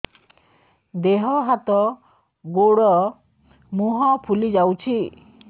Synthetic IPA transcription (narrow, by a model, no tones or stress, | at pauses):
d̪eɦɔɦat̪ɔ | ɡoɽɔ | muɦɔpʰulid͡ʒawt͡ʃʰi